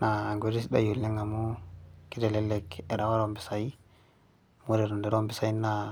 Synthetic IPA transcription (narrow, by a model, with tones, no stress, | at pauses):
naː˨ŋɡo˨ɾi˦sda̰˦ju˨lːe˦ŋa˨mu˦ki˦te˨le˦lːe˨ke˨ɾa˨wa˦ɾo˦˨mbi˨sa˨i˦ | mu˦ɾe˨ɾo˨nde˨ɾo˦mbi˨sa˨i˦na